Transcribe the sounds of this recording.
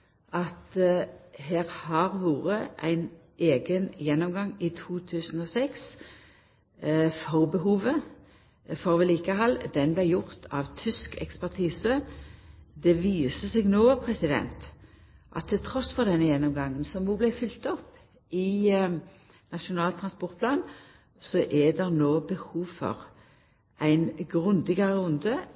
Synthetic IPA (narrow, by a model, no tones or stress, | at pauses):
ɑt̪ | heːʁhɑʁʋuːʁəʔæ̰ɪn | ʔeːɡənjɛnːɔmɡɑŋɪt̪ʰuːt̪ʰʉːsn̩ɔsɛks | fɔʁbəɦuːʋə | fɔʁʋɪliːkəɦɑlːd̪ɛnblæɪjʊʁt̪ʰɑʋt̪ʰʏskɛ̰kspæʁt̪ʰiːsə | d̪ɛʋiːsəsɛɡnoːpʰʁɛsɪd̪ɛ̰nt̪ | ʔɑ̰t̪ʰːɪlt̪ʰʁɔsfɔʁd̪ɛnːəjɛnːɔmɡɑŋːənsɔmʋuːblæɪfʏlt̪ɔpː | ɪ | nɑʃʊnɑːlt̪ʰʁɑnspɔʁt̪̚pʰlɑːn | sɔʔɛd̪ɛʁnoːbəhuːʋfɔ̰ʁ | æɪnɡʁʉnd̪ɪɡɑʁəʁʊnd̪ə